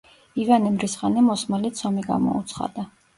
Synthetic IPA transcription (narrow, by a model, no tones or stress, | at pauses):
ivanimɾisʁanɛmɔsmalit̪sʰɔmiɡa̰mɔ̰ut̪sʰχa̰d̪̥a